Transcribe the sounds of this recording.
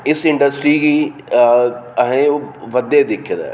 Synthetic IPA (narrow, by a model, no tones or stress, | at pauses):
ɪsɪ̃ɳɖəsʈɾiːɡiː | əɦẽːoːʋəd̪eːd̪ɪkʰːd̪a̰ː